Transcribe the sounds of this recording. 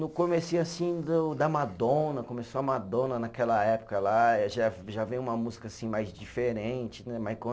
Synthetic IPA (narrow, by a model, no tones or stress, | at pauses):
nʊkõmesiasĩd̪ʊd̪ɐmad̪õnɐkomesoɐmad̪õnɐnakɛlɐɛpʊ̥kɐlaʒaʒavẽj̃ũmɐmuzikɐasĩmajzd͡ʒifeɾẽt͡ʃɪnɛmajskɐ̃